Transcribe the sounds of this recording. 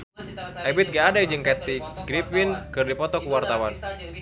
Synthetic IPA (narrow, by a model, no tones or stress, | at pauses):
ʔabɪt̪̚ŋɡaːdad͡ʒɨŋkat̪iɡɾipɪnkɨrdipɔt̪ɔkuwart̪awan